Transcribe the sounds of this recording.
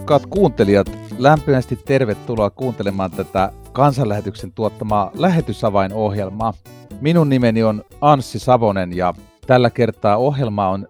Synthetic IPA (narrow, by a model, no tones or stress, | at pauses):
kːˑɑːt̪kuːnt̪e̞liɑt̪læmpimæst̪it̪ːerʋet̪ːuloɑkuːnt̪elemɑːnt̪æt̪ækɑnsɑlːæhet̪yksent̪uot̪ːɑmɑːlæɦet̪ysɑʋɑinohjelmɑːminunnimenionɑnsːisɑʋonenjɑ̰ | t̪ælːækert̪ˑɑːohjelmɑon